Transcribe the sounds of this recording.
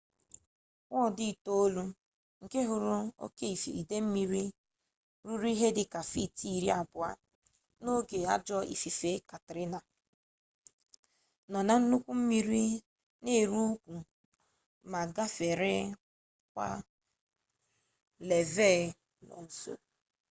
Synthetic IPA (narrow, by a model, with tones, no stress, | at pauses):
ŋʷɔ˦˨dɪ˦˨to˦o˦lu˦ | ŋ̩˨ke˦ɦʊ˨ɾʊ˦o̰˦ke˦i˨fi˨i˨de˦m̩˦mi˦ɾi˦ | ɾu˦ɾu˦i˦ɦe˦dɪ˦ka˨fi˦ti˦˨ɾi˦a˨bʊ˨a̰˦ | no˦ɡe˨a̰˦d͡ʒɔ˦ḭ˨fi˨fe˦ka˨tɪ˨ɾɪ˦na˨ | nɔ˨na˨n̩˦nʊ˦kʷu˦m̩˦mi˦ɾi˦ | ne˦˨ɾu˦kʷu˨ | ma˨ɡa˦fe˨ɾe˦ | kʷa̰˦ | le˨ve˦˨ | nɔ̰˨n̩˨˦so̰˦